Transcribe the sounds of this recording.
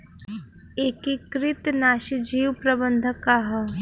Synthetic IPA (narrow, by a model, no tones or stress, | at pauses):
eːkikɾɪt̪naːʃid͡ʒiːwpɾɐbənd̪ʱəkaɦɐ